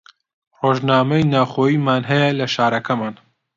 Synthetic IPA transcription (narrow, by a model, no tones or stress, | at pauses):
roːʒnaːmɐjnaːwxoːjiːmaːnɦɐjɐlɐʃaːɾɐkʰɐmaːn